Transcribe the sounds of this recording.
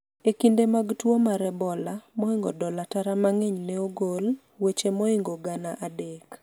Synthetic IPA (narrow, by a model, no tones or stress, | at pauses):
ekindemaɡtwomaɾɛbɔlamɔɪŋɡɔdɔlataɾamaŋeɲneoɡol | wet͡ʃemɔɪŋɡɔɡanaʔadek